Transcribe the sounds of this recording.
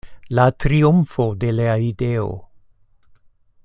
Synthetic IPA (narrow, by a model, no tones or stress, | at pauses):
latɾiumfode̞leaideo̰